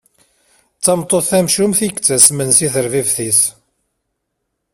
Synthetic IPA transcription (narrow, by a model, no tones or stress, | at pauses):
t͡sːɑmt̪ˤːoθæmʃumθiɡt͡sːæsmənsiθəɾvivθis